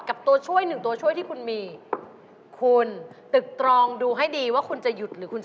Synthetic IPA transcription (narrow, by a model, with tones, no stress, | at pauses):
ka˨˩p̚t̪u˧ɐt͡ɕʰu˥˩əjnɯ˨˩ŋt̪u˧ɐt͡ɕʰu˥˩əjt̪ʰiː˥˩kʰu˧nmiː˧ | kʰu˧nt̪ɯ˨˩k̚t̪ɾɔː˧ŋduː˧ɦa˥˩jdiː˧waː˥˩kʰu˧nt͡ɕa˨˩ju˨˩t̪̚ɾɯː˩˦kʰu˧nt͡ɕ